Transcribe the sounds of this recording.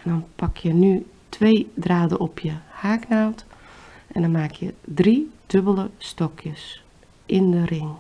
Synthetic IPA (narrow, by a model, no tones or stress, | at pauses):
ɛndɔnpɑkʰjəny | tʰʋeːdraːdəʔɔpʰjəhaːknawtʔɛndɔnmaːkʰjədrid̥øbəlˠəstɔkʰjəs | ʔɪndərɪŋ